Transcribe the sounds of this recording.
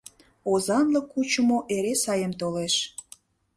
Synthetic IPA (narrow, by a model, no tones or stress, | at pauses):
ozɑnləkːut͡ɕəmoʔeɾesɑjəmt̪oleʃ